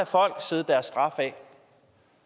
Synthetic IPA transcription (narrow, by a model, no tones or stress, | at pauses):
æfɒ̽l̰ɡ̥se̝ðˠd̥æɐsːd̥ʁɑ̈fɛ